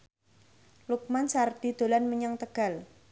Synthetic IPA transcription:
luk̚mansarɖ̪̥i̤d̪̥o̤lanməɲɔŋt̪əɡ̥a̤l

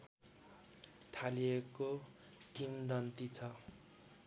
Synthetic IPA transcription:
t̪ʰalieko | kimd̪ʌnt̪it͡sʰʌ

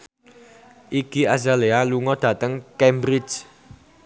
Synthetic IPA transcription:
ʔikiazalealuŋɔɖ̥ä̤t̪əŋkembɾɪd͡ʒ

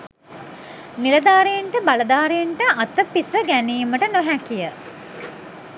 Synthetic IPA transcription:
nilɐd̪aːɾejeɳʈəbalɐd̪aːɾejeɳʈəɐt̪əpisəɡæniːməʈənoɦækijə

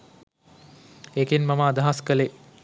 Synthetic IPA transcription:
ekinmɐmaːd̪aɦaskəle

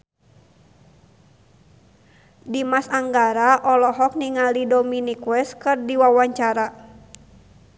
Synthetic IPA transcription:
dimasaŋɡaɾaʔɔlɔɦɔk̚niŋalidɔminikwɛskɨrdiwawaɲt͡ʃaɾa

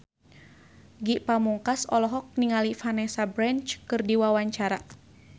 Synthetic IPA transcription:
ɡiʔpamuŋkasɔlɔɦɔk̚niŋalifanɛsabɾant͡ʃkɨrdiwawaɲt͡ʃaɾa

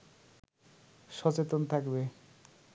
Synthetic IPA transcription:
ʃɔt͡ɕet̪ont̪ʰakbe

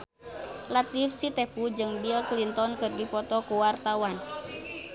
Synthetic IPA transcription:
lat̪ifsit̪ɛpud͡ʒɨŋbilklint̪ɔnkɨrɡipɔt̪ɔkuwart̪awan

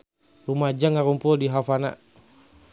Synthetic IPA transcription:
rumad͡ʒaŋaɾumpʊldiɦafana̰

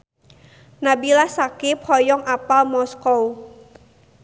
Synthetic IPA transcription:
nabilahsakepʰɔjɔŋʔapalmɔskɔw

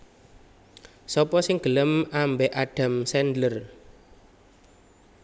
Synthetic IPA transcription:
sɔpɔsɪŋɡ̥ə̤ləmambɛʔaɖ̥a̤msɛndlər

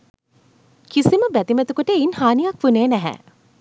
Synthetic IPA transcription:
kisiməbæt̪imæt̪ukuʈəinhaːnijakʋuneːnæɦɛ̰

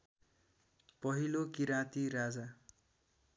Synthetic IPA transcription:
pʌɦilokiɾãt̪iɾad͡za

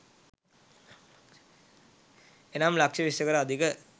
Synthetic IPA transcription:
enaːmlakʂəʋisəkəɾəad̪ʱikə

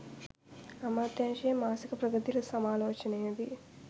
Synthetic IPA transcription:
ɐmaːt̪jaːʃeːmaːsikɐpɾɐɡɐd̪ilɐsɐmaːloːt͡ʃɐneːd̪i

